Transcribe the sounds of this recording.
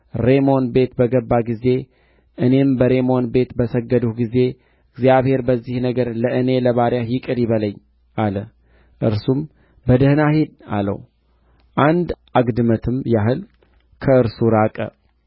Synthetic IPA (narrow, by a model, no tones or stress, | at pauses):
ɾe̞mo̞nbe̞t̪bəɡəbːaɡize̞ | ʔɨne̞mbəɾe̞mo̞nbe̞t̪bəsəɡːəd̪uhɡize̞ | ɨɡzjaβhe̞ɾbəzːihnəɡəɾləʔɨne̞ləβaɾjajɪkʼɨɾjɪβələɲː | ʔalə | ʔɨ̰ɾsum | bəd̪əhnahed̪a̰lə̰w | ʔand̪ʔaɡd̪ɨmət̪ʰɨmjaɦɨl | kʰəɨɾsuɾakʼə̰